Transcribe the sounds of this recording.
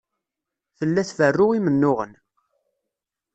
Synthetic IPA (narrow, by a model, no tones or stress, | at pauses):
θəlːæθvərːʊʁimənːʊʁə̰n